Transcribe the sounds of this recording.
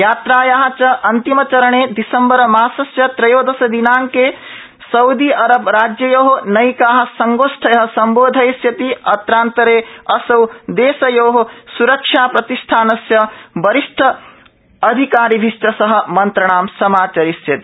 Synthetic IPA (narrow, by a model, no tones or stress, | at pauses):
jaːt̪ɾaːjaːɦɐ̆t͡ʃɐʔɐnt̪imɐt͡ʃɐɾɐɳeːd̪isɐmbɐɾɐmaːsɐsjɐt̪ɾɐjoːd̪ɐsɐd̪inaːŋkeː | sɐwd̪iʔɐɾɐbɾaːd͡ʒjɐjoːɦonɐjkaːɦɐ̆sɐŋɡoːsʈʰɐjɐɦɐsɐmboːd̪ʱɐjsjɐt̪iɐt̪ɾaːnt̪ɐɾeːɐsɐwd̪eːsɐjoːɦosuɾɐkʂaːpɾɐt̪iʂʈʰaːnɐsjɐbɐɾiʂʈʰɐ | ɐd̪ʱikaːɾibʱiʃʈɐsɐɦɐ̆mɐnt̪ɾɐɳ̃aːmsɐmaːt͡ʃɐɾisjɐt̪i